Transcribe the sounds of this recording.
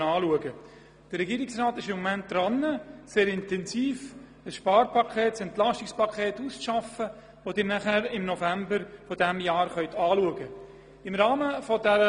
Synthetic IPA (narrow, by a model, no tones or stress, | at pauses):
ɑːluəɡə | d̥əɾɾɛɡiːɾɪksrɑːt̪ɪʃɪmːɔmænt̚d̥ɾɑnːəseːɾɪntɛnsiːf | əsʃpɑːɾpʰɑkʰeːtsɛntlɑʃtɪkspɑkʰχeːtust͡sʃɑfə | ʋod̥ɪːɾnæχæɾɪmnɔfæmbəɾfɔdæmjɑːɾχœʏtʰɑːluəɡə | ɪmɾɑːməfɔdɛɾə